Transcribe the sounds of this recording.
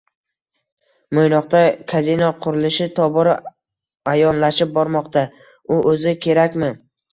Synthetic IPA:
mojnɒqt̪akʲʰazinɒqʰʊɾɪlɪʃɪt̪ʰɒbɒɾ | ajɒnlaʃɪp̚bɒɾmɒqt̪a | ʊʔɵzɪkʲʰe̞ɾakʲmɪ

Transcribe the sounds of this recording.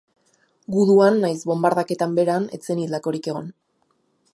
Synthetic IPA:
ɡuðuanːajsbo̞mbaɾðake̞t̪ambe̞ɾane̞̰t͡se̞nilako̞ɾike̞ɣ̞o̞n

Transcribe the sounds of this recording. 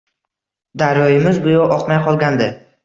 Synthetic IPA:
d̪aɾjɒjɪmɪzbʊjɒʔɒqmajqʰɒlˠɡʲand̪ɪ

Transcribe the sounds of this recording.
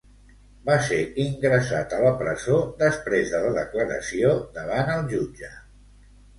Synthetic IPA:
baseiŋɡɾəsa̰t̪ələpɾəzod̪əspɾezðələðəkləɾə̰siod̪əβ̞anəlˠʒud͡ʒə

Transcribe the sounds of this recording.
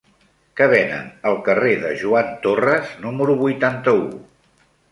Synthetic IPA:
kəβ̞ɛnə̰nəlˠkəreðəʒuant̪orəznuməɾuβujt̪ant̪əu

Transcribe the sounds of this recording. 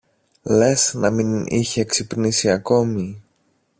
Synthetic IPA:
le̞snɐminḭçeːksipnisiɐko̞mi

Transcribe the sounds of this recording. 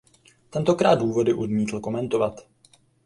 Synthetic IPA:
t̪ɛnt̪o̞kɾaːd̪duːvo̞dɪʔodmiːt̪l̩ko̞mɛnt̪o̞vat̪

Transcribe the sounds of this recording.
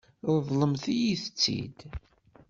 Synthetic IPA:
ðˤləmθijiθət͡sːḭd̪

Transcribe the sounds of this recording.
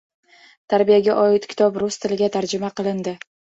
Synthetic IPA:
t̪ʰaɾbijaɡʲaʔɒɪt̪kʲʰɪ̥t̪ʰɒbɾʊst̪ʰɪlɪɡʲat̪ʰaɾd͡ʒɪmaqɨlˠɪnd̪ɪ

